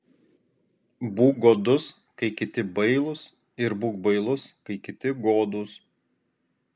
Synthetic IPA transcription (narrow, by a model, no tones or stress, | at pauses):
buːk̚ɡoːd̪ʊs | kɐɪkʲɪt̪ʲɪbɐɪlˠʊs | ɪɾbuːkbɐɪlˠʊskɐɪkʲɪt̪ʲɪɡoːd̪ʊːs